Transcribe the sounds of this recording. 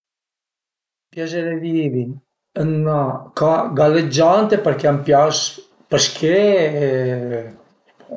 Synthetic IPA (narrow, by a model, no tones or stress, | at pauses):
pjazeɾevivi | ənːakaɡaled͡ʒant̪epəɾkeampjas | pəskʰe